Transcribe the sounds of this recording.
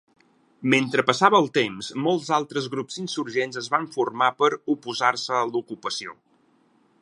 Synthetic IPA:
ment̪ɾəpəsaβəːlˠt̪emzmolˠzalˠt̪ɾəzɣɾupzinsuɾʒenzəzβaɱfurmapəɾupuzarsəːlukupəsio̰

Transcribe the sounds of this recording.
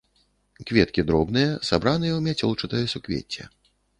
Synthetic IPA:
kvʲɛt̪kʲid̪ɾɔbnɨjɐsabɾanɨjɛwmʲat͡sʲɔlˠt͡ʂɨt̪ɐjɐsukvʲḛt͡sʲːɛ̰

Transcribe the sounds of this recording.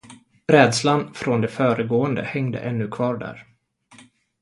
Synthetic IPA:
ɾɛːd̪slanfɾɔnd̪ɛfœːɾəɡoːənd̪ə̰hɛŋd̪ə̰ʔɛnːɵkʰvɑːɖæ̰ːɾ

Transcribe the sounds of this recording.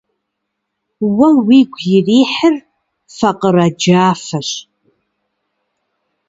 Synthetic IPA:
wɐwiɡʷjɪriːħər | faqʼərad͡ʒaːfɐɕ

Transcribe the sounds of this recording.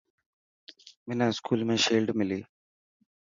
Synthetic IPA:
minaskʰuːlmeːʃeːlɖɨmili

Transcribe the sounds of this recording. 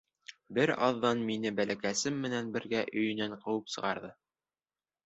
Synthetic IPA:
bɘɾɑ̰ðːɑnminɘbælækæsɘmːɘ̆nænbɘ̆ɾɡæʔɵ̆jɵ̆næɴqɤ̆wɤpsɤ̆ʁɑɾðɤ

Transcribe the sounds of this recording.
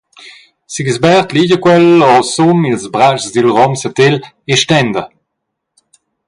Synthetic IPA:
siɡsbɛʁt̪liɟəkwɛlɔsumilzbʁat͡ʃzd̪ilʁɔmsət̪el | eʃtɛnd̪ə

